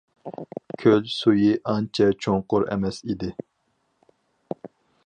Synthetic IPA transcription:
kʲʰølsujiʔɑnt͡ʃʰɛt͡ʃʰoŋqʊɾɛ̰mɛsid̪ɪ

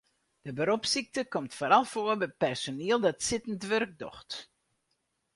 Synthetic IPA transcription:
d̥əbəɾopsik̚təkɔmtfoːɾɑlˠfoːəbɛpɛrsoniəlˠdɔtsɪtəntʋørɡ̚dɔ̰xt

